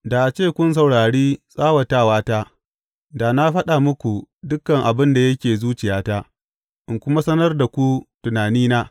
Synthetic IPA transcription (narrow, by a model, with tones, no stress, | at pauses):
da˨ʔa˨t͡ʃeː˦˨kʷʊ˦ns̬ɐ˨wɽaː˨ɽiː˦sʼaː˦wɐ˨taː˦˨waː˦taː˦ | daː˨na˦ɸɐ˦ɗa˨mʊ˦kʷu˨dʊ˦kːɐ˨ŋʔa˨bɪ˦nda˨jɐ˦kʲeː˨zuː˦t͡ʃɪ˨jaː˦taː˦ | ʔɪ˨ŋkʷʊ˦ma˦sɐ˦nɐ˦rda˨kʷu˦tʊ˨naː˨niː˦naː˦